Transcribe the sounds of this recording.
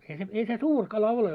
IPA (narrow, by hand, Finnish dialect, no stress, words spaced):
ei se ei se suːr kɑlɑ ole